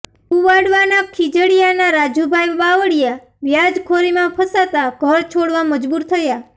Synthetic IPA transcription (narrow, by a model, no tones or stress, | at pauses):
uʋaɽʋanakʰid͡ʒəɽijanaɾad͡ʒubʱajʋaʋəɽja | ʋjad͡ʒkʰoɾimãpʰəsat̪aɡʱəɾt͡ʃʰoɽʋaməd͡ʒbuɾt̪ʰəja